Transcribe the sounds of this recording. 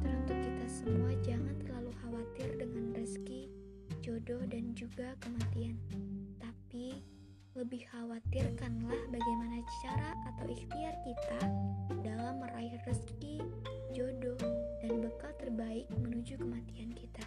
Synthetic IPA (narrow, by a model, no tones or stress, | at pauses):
t̪əɾunt̪ʊp̚kit̪asəmuad͡ʒaŋant̪ərlaluhawat̪ɪrdəŋanrəski | d͡ʒodɔhdand͡ʒuɡakəmat̪iant̪api | ləbɪhhawat̪irkanlahbaɡajmanat͡ʃaɾaːt̪awixt̪iat̪̚kit̪adalamːəɾaɪhrəski | d͡ʒodɔhdanbəkalt̪ərbaɪk̚mənud͡ʒukəmat̪iankit̪a